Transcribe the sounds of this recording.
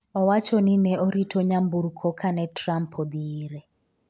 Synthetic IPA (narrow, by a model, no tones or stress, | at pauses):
ɔwat͡ʃʰɔninɛɔɾitʰɔɲambuɾukʰɔkʰanɛtrampʰɔd̪iːɾɛ